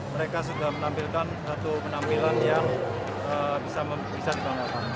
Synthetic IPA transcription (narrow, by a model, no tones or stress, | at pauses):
məɾekas̬udahmənampilkansat̪upənampilanjaŋ | əbisamə | bisadibaŋakan